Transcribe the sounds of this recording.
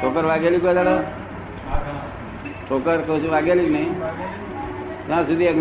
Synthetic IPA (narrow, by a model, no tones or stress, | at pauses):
ʈʰokəɾʋaɡelikad̪aɽo | ʈʰoːkəɾkəsiʋaɡeliknəĩ | t̪ãːsud̪ʱiek